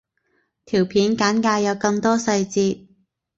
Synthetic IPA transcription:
t̪ʰiː˨˩wpʰiː˨˥nkaː˨˥nkaː˧jɐ˨˧wkɐ˧ŋt̪ɔː˥sɐ˧jt͡siː˧t̚

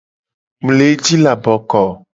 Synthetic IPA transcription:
m˨le˨˦d͡ʒi˦la˨bɔ˨kɔ˨

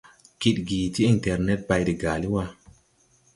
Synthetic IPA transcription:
ki˨ɗ̚ɡiː˨ti˦i˨ntɛ˨ɾne˦t̚ba˧jdi˨ɡaː˨li˦wa˧

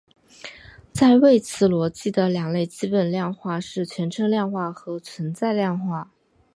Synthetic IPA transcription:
t͡sa˥˧ɪwe˥˩ɪt͡sʰɹ̩˨˥˩lwɔ˧˥t͡ɕi˥˩d̪ə˩ljɑ˨˩ŋle˥˩ɪt͡ɕi˥pə˨˩nljɑ˥˧ŋxwa˥˧ʂɻ̩˥˩t͡ɕʰɥɛ˧˥nʈ͡ʂʰɤ˧˥ŋljɑ˥˧ŋxwa˥˩xɤ˧˥t͡sʰwə˧˥nt͡sa˥˧ɪljɑ˥˧ŋxwa˥˩

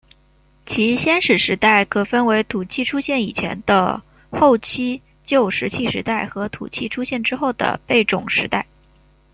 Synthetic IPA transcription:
t͡ɕʰi˧˥ɕjɛ˥nʂɻ̩˨˩ʂɻ̩˧˥t̪a˥˩ɪkʰɤ˨˩fə˥nwe˧˥ɪt̪ʰu˨˩t͡ɕʰi˥˩ʈ͡ʂʰu˥ɕjɛ˥˩ni˨˩t͡ɕʰjɛ̰˧˥nd̪̥ə̰˧ | xo˥˩˧ʊt͡ɕʰi˥ | t͡ɕjo˥˩ʊʂɻ̩˧˥t͡ɕʰi˥˩ʂɻ̩˧˥t̪a˥˩ɪxɤ˧˥t̪ʰṵ˨˩t͡ɕʰi˥˩ʈ͡ʂʰu˥ɕjɛ˥˩nʈ͡ʂɻ̩˥xo˥˩ʊd̪ə̰˩pe˥˩ɪʈ͡ʂʊ̰˨˩ŋʂɻ̩˧˥t̪a˥˩ɪ

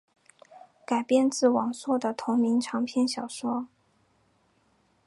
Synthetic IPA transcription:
ka˨˩ɪpjɛ˥˧nt͡sɹ̩˥˩wɑ˨˩ŋswɔ˥˩d̪ə˩t̪ʰʊ˧˥ŋmi˧˥ŋʈ͡ʂʰɑ˧˥ŋpʰjɛ˥˩nɕjɑ˨˩ʊʂwɔ˥

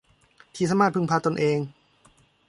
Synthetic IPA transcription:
t̪ʰiː˧˥sa˧˦maː˥˩t̪̚pʰɯ˧ŋpʰaː˧t̪o˧nʔeː˧ŋ

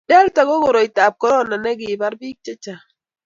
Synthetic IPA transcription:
dɛ˦lta˨ɡo˦ɡo˨ɾo˨jta˨b̚kɔ˦ɾɔ˦na˨nɛ˦ɡi˨ba˦ɾbi˦k̚t͡ʃɛ˦t͡ʃa˨

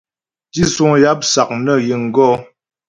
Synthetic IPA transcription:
ti˦su˦ŋja˦p̚sa˨k̚nə˦˨ji˨ŋ̩˨ɡɔ˦

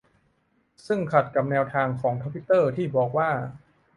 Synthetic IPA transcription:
sɯ˥˩ŋkʰa˨˩t̪̚ka˨˩p̚nɛː˧wt̪ʰaː˧ŋkʰɔː˩˦ŋk̪ʰa˦˥mpʰi˦˥t̪ːɤː˥˩t̪ʰiː˥˩bɔː˨˩k̚waː˥˩

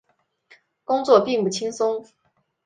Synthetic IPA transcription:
kʊ˥ŋt͡swɔ˥˩pi˥˧ŋpu˥˩t͡ɕʰi˥ŋsʊ˥ŋ

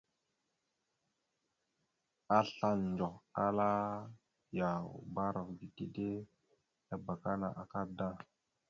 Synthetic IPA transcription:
a˦ɬa˦nnd͡ʒo˨ka˦la˦ | ja˨ba˦ɾa˨vɡi˨ti˦de˦ | a˦ba˨ka˦na̰˨ʔa˨ka˦da˦

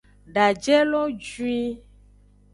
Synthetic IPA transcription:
ɖa˨d͡ʒɛ˦lɔ˦d͡ʒwi˦

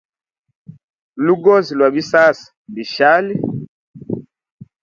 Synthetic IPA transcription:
lu˦ɡɔ˦zi˨lwa˨bi˦sa˦si̥˨mbi˨ʃa˦li˦

